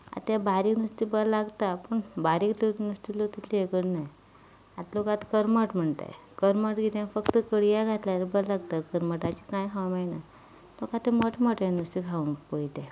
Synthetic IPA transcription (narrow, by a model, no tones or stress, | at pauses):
a̰t̪jãbaɾiknust̪ibəlaɡt̪apəɳbaɾiːklonust̪ilot̪it̪liekəɽnaj | at̪lokat̪kəɾməʈm̤əɳt̪a̰j | kəɾməʈɡit̪ãfəkt̪əkəɽijaɡʱat̪ljaəbəllaɡt̪akəɾməʈat͡ɕikãjkʰawmajna | lokat̪eməʈməʈjãnust̪ikʰaupəjt̪e